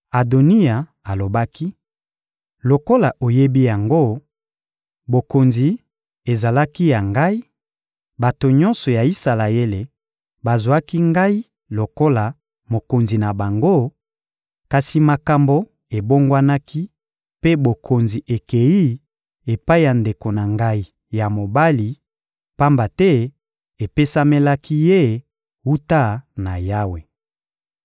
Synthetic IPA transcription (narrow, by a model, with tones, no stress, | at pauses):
a˨do˨ni˦a˨ | a˨lo˨ba˦ki˦ | lo˨ko˦la˨ʔo˨je˦bi˦ja˨ŋɡo˦ | bo˨ko˨nzi˨ | e˨za˨la˦ki˦ja˨ŋɡa˦i˦ | ba˨to˨ɲɔ˦nsɔ˨ja˨i˦sa˨la˨e˦le˨ | ba˨zwa˦ki˦ŋɡa˦i˦ | lo˨ko˦la˨ | mo˨ko˨nzi˨na˨ba˨ŋɡo˦ | ka˨si˨ma˨ka˨mbo˦ | e˨bo˦ŋɡwa˦na˦ki˦ | pe˦bo˨kʰo˨nzi˨ʔe˨ke˨ji˦ | e˨pa˦i˦ja˨nde˨ko˨na˨ŋɡa˦i˦ | ja˨mo˨ba˦li˨ | pa˦mba˨tɛ˦ | e˨pe˦sa˦me˦la˦ki˦je˦ | u˦ta˦na˨ja˦we˨